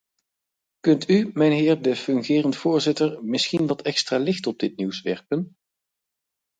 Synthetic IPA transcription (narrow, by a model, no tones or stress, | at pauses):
kɵntymɛjnɦɪːɹdəfɵŋχɪːrəntfʊːɹzɪtəɹmɪsχinʋɑtɛkstraːlɪxtɔb̚dɪtniwsʋɛ̰ɹpən